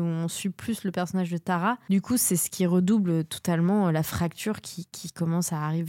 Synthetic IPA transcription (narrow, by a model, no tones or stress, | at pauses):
uɔ̃sɥiplysləpɛʁsɔnaʒd̪ət̪aʁad̪ykʰusɛsə̥kʲiʁəd̪ubløt̪ɔ̥t̪almɑ̃lafχak̚t̪ʰyʁkʲʰikʲikɔmɑ̃saːʁiv